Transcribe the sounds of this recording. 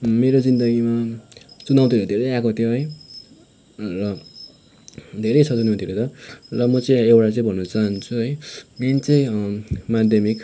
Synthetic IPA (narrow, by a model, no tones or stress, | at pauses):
meɾod͡zind̪ʌɡimat͡sunaw̃t̪ʰiod̪ʱeɾʌjakot̪ʰjoɦʌj | rʌ | d̪ʱeɾʌjt͡sʰʌt͡sunaw̃t̪ʰiɾot̪ʌrʌmʌt͡sʌĩewʈat͡sʌĩbʱʌnːut͡saɦnt͡sʰuɦʌjent͡sʌĩmad̪ʱjʌmik